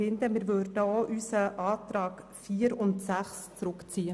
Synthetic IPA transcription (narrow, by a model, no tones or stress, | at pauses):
ɪnd̪əmɪːɾʋørdəoːʔysəʔɑːt̪ɾɑːɡfiːəɾʊntsæχst͡sɾʊkt͡siːə